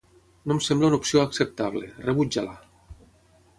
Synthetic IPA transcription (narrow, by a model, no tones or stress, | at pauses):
nomsɛmblaunopsioaksep̚t̪aβlḛreβud͡ʒala